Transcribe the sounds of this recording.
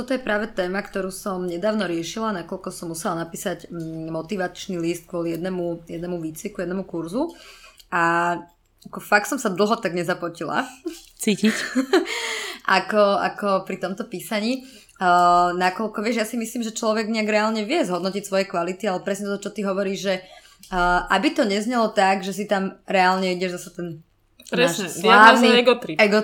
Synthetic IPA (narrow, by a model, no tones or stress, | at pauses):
t̪ɔt̪ɔjɛpɾaːʋɛt̪ɛːmakt̪ɔɾuːsɔmɲɛd̪aːʊnɔɾɪɛʃilanakɔlkɔsɔmːusɛlanapiːsaɟmɔt̪iʋat͡ʃnilist̪̚kʋɔlijɛd̪nɛmujɛd̪nɛmuʋiːt͡sʋikujɛd̪nɛmukuɾzu | a | akɔfak̚t̪sɔmsad̪l̩ˠɦɔt̪aɡɲɛzaplɔcila̰ | t͡siːcic | ʔakɔa̰kɔpɾit̪ɔmt̪ɔpiːsaɲiː | nakɔlkɔʋɪɛʒjasimisliːmʒɛt͡ʃlɔʋɛɡɲɛaɡɾɛaːlɲɛʋɪɛzɦɔd̪nɔcicsʋɔjɛkʋalit̪ialɛpɾɛsɲɛt̪ɔɔt͡ʃɔt̪iɦɔʋɔɾiːʒʒɛ | ʔabit̪ɔɲɛzɲɛlɔt̪aɡʒɛs̬it̪amɾɛalɲɛiɟɛʒzasɛt̪ɛn | pnɾɛaːʃɛslaniɛɡɔt̪ɾiɛɡɔ